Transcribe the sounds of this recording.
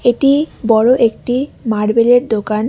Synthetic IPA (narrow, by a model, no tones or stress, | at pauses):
eʈibɔɾoʔek̚ʈimaɽbeleɾd̪okan